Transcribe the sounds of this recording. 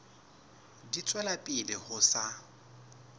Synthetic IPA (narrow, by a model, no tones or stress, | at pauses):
dit͡sʼwɛlapʼɪlɪhʊsa